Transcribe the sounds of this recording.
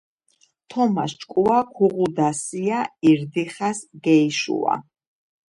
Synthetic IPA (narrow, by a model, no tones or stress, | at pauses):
t̪ʰɔmast͡ʃʼkʼuakʰuʁud̪asiaiɾd̪iχasɡɛiʃṵwa̰